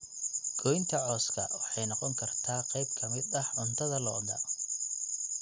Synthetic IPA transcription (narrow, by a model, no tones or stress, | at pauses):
ɡ̥ɔjnt̪ʰɐʕɔːskʰɐwɑħɑjnɑqɔŋkʰɐrt̪ʰaːqɛjb̚kʰɐmɪd̪ɐhʕʊnt̪ʰɐðɐlɔ̰ːd̪ɐ̰